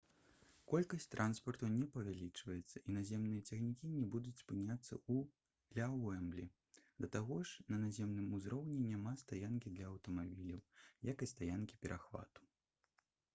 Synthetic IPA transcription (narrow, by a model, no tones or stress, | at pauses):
kɔlʲkɐsʲtʲt̪ɾʔanspɐrt̪unʲɛpɐvʲalʲit͡ʂvɐjɛt̪sːɐʔinazʲɛmnɨjɐt͡sʲɛxnʲikʲinʲɛbud̪ut͡sʲspɨnʲat̪sːɐ̰u | lʲawɛmblʲi | d̪ɐt̪aɣɔʂnɐnazʲɛmnɨmuzɾɔwnʲɛnʲamast̪ajankʲid̪lʲɐɐwt̪ɐmabʲilʲɐwjakɐst̪ajankʲi̥pʲɛɾʔaxva̰t̪u̥